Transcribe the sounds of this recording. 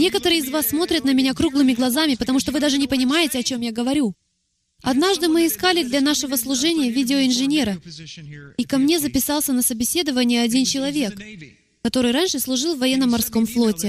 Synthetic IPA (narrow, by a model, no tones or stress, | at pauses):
nʲe̞kət̪əɾɨɪzvasːmo̞t̪ɾʲət̪nəmʲɪnʲakɾuɡlˠɨmʲɪɡlˠɐzamʲɪpət̪ɐmuʂt̪ovɨd̪aʐɨnʲɪpənʲɪmajɪtʲɪɐt͡ɕo̞mjaɡəvɐɾʲu | ɐd̪naʐd̪ɨmɨɪskalʲɪd̪lʲɐn̪aʂɨvəslˠʊʐɛnʲɪjəvʲidʲɪoɪnʐɨnʲe̞ɾə | ikɐmnʲe̞zəpʲɪsɑlˠsʲənəsəbʲɪsʲe̞d̪əvənʲɪjəɐdʲint͡ɕɪlˠɐvʲe̞k | kɐt̪o̞ɾɨjranʲʂɨslˠʊʐɨlˠvːɐjɛnːəmɐrsko̞mflˠo̞tʲɪ